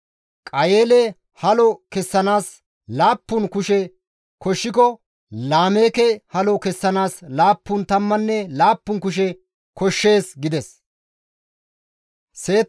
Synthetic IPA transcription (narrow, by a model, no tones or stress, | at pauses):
kʼɐjeːlɛ | hɐlɔkɛsːɐnaːs | laːpːʊnkʊʃɛ | kɔʃːɪkɔ | laːmeːkɛhɐlɔkɛsːɐnaːslaːpːʊnt̪ɐmːɐnːɛlaːpːʊnkʊʃ̬ɛ | kɔʃːe̞ːsɡɪd̪ɛs | se̞ːt̪